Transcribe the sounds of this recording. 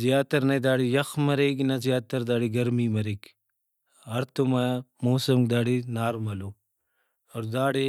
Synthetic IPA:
zijaːt̪ɐɾnɐd̪aːɽijɐxmɐɾeːɡnɐzjaːt̪ɐɾd̪aːɽiɡɐɾmiːmɐɾeːk | ɐɾt̪umamoːsɐmk̚d̪aːɽinaːɾmɐloː | oɾd̪aːɽi

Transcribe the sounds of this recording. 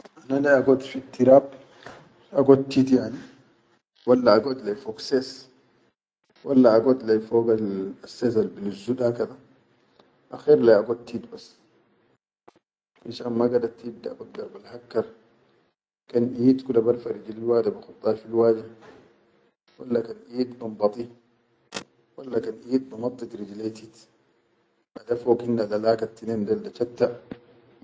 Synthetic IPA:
ʔanalajaɡɔt̪ːfit̪ːiɾaːb | aɡot̪ːit̪jani | walːaːɡɔt̪lajfɔksɛs | walːaːɡɔt̪lajfɔːɡalasːɛs̬albiluzuɗakad̪a | ʔaxɛɾlajaɡot̪ːit̪bas | finʃaːnmaɡad̪aɾt̪ːid̪ːaa̰ɡodd̪ːaɾbalhakːɑɾˤ | kanʔiːt̪kulabaɾfaɾid͡ʒililwaːd̪abixut̪ˤːɑɾfilwaːda | walːakanʔiːt̪bambɑt̪ˤi | walːakanʔiːt̪̚bamɑt̪ˤːit̪ɾid͡ʒlat̪it̪ | ʔadafoːkhinːalalaːkat̪ːinendaldat͡ʃat̪ːa

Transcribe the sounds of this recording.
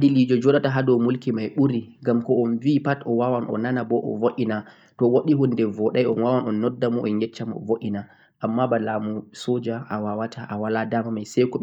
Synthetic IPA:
dilid͡ʒɔd͡ʒɔɗataɦadɔwmulkimajɓuɾiɡamkɔɔnvipatɔwawanʔɔ̰nanabɔʔɔ̰voʔina | tɔwoɗiɦundɛvɔɗajɔnwawanɔnːɔdːamɔʔɔnjɛt͡ʃːamɔ̰voʔina | ʔamːabalamusod͡ʒaʔawawatʰaʔawaladamamajsɛjkɔ

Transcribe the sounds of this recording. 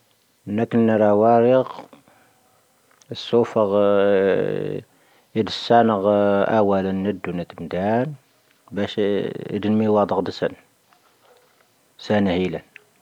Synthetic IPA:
nːækənːəɾˤæwæɾəq | əsːufəɣ | id̪əsːænəɣʔæ̰wælənːəd̪ːunæt̪md̪æn | bæʃḭd̪ənmiwɑd̪ˤəqd̪əsən | sænæhilæn

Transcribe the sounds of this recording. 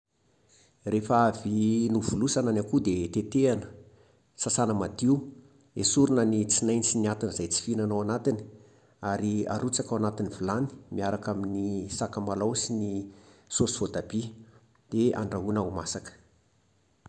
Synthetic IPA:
refaavinuvulusananakud̪et̪et̪eanə̥ | sasanəmad̪iu | esuɾunənit͡sinajnit͡siniat̪inəzajt͡si̥finanawanat̪ini̥ | aɾia̰ɾut͡sakawanat̪inivulani̥miaɾakaminisakamalawsinisosi̥vod̪abi | d̪̥ea̰ɳɖ͡ʐaɦunaumasakə̥

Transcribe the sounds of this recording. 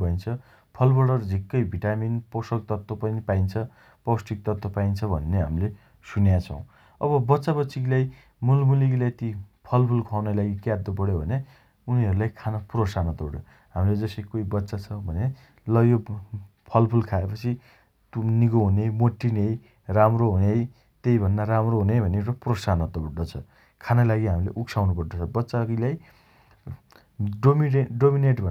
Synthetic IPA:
bʱʌint͡sʰʌ | pʰʌlbʌɽʌrd͡zʱikːʌjbʱiʈaminposʌlt̪ʌt̪ːopʌnipaint͡sʰʌ | pʌwsʈik̚t̪ʌt̪ːopaint͡sʰʌbʱʌnːeɦamile | sunjat͡sʰʌ̃w̃ | ʌbʌbʌtːsabʌsiɡilaj | mulmulikilaet̪ipʰʌlpʰulkʰawnʌlaɡikad̪ːopʌɽjobʱʌne | uniɦʌɾulajkʰanʌpuɾosanʌt̪oɽo̰ | ɦamiled͡zʌsʌkoibʌtːsat͡sʰʌbʱʌne | lʌjo | pʰʌlpʰulkʰaepʌt͡sʰi | t̪niɡoɦunejmoʈːinej | ramroɦunej | t̪ejbʱʌnːaɾamroɦunebʱʌneɾʌprosanʌt̪ɖʌt͡sʰʌ | kʰanʌlaɡiɦamilḛʔuksʰawnupʌrd̪ʌt͡sʰʌbʌtːsaklaj | ɖomieɖomineʈbʱʌn

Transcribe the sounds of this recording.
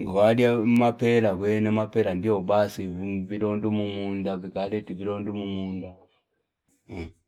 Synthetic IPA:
ŋɡwadjamapɛlaɡwɛnɛmapɛlandiɔbasivilɔndɔmumundavikalɛtivilɔndumumunda

